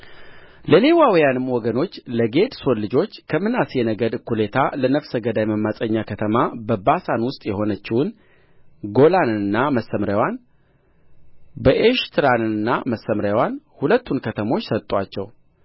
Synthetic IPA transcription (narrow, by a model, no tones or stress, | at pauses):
ləlewawjanɨmːwɔɡəno̞t͡ʃːləɡe̞d̪solːɨd͡ʒo̞t͡ʃːkʰəmɨnasjɛnəɡəd̪ɨkʰːule̞t̪ʰalənəfsəɡəd̪ajməmːasʼəɲːakʰət̪ʰəmabəbasanwʊst̪ʼjɛho̞nət͡ʃːɪwʊn | ɡo̞lanɨnːaməsːəmɾawan | bəʔeʃt̪ʰɨɾanɨɨnːaməsːəmɾjawanhulət̪ːunkʰət̪ʰəmo̞t͡ʃːsət̪ʼːat͡ʃːɛw